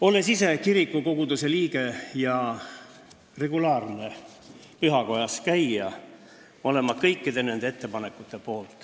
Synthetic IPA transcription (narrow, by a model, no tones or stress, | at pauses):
o̞lːe̞sise̞kiɾikːˑuko̞ɡ̥ud̪use̞liːɡe̞jɑ | re̞ɡulɑːrne̞ | pyɦɑko̞jɑskæjːɑ | ole̞mɑkɤjkːid̪e̞ne̞nd̪̥eet̪ːe̞pɑne̞kːˑut̪ːˑe̞po̞ːlt̪ˑ